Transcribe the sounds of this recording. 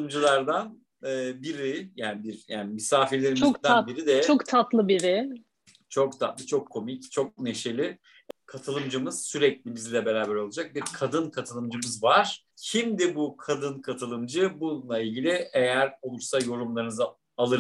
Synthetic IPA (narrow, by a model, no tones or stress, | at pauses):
ɯmd͡ʒɯlˠaɾd̪an | ɯːbiɾɪjaːnbiɾja̰ːnimisaːfiɾlʲe̞ɾimod̪ænbiɾid̪ɛokt̪ʰat̪lˠɯbiɾɪ | t͡ʃʰo̞kt̪ʰat̪lˠɯt͡ʃʰo̞kʰːo̞mict͡ʃʰo̞k̚ne̞ʃe̞lʲɪ | kʰat̪ʰɯlˠɯmd͡ʒɯmɯz̥syɾɛclʲibizlʲɛbe̞ɾaːbæɾo̞lˠad͡ʒak̚biɾkʰad̪ɯnkʰat̪ʰɯlˠɯmd͡ʒɯmɯzvaɾ̥ | cʰimd̪ibukʰad̪ɯnkʰat̪ʰɯlˠɯmd͡ʒɯbunlˠailʲɟilʲie̞jæɾo̞lˠuɾsajo̞ɾumlˠaɾɯnɯz | alˠɯɾ